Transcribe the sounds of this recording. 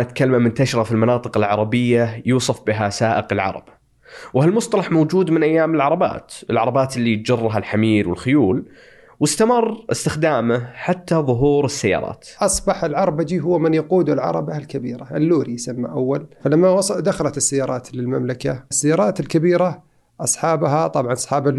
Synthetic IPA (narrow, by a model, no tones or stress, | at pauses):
ʔat̪kalːmamʊnt̪aʃɾˤɑfilmɑnɑːt̪ˤɨqɪlʕɑ̰ɾˤɑbɪjːajuːsˤɑfbɪɦasaːʔɪqɪlʕɑ̰ɾˤɑ̰b̥ | whalmʊsˤt̪ˤɑlɑħmoːd͡ʒuːd̪mɪnʔajːaːmɪlʕɑɾˤɑba̰ːt̪ʔɪlʕɑɾˤɑbaːt̪lːit̪̚d͡ʒɑrˤːɦalħamiːlwɪlxʊjuːl | wɪst̪amɑrˤːʔɪst̪ɪxd̪aːmɪħat̪ːaðˤʊɦuːɾɪsːajːɑ̰ːɾˤɑ̰ːt̪ʔɑsˤbɑħɪlʕɑɾˤɑbad͡ʒ̪iːɦʊwːmɪnjɑquːd̪ʊlʕɑ̰ɾˤɑ̰balkabḭːɾaʔɪlːuːɾijsamːa̰ʔawːalfalamːawɑˤd̪axɑlat̪ɪsːajːɑːɾˤɑːt̪lɪlma̰mlakasːajːɑːɾˤɑːt̪ɪlkabiːɾa | ʔɑsˤħɑːbɦat̪ˤɑbʕɑnʔɑsˤħɑːbal